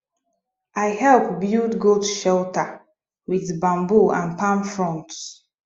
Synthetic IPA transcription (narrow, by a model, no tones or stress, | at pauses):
ʔajhɛlpbildɡodʃɛltə | wiðbãmbuʔã̰npãmfɹɔ̃nts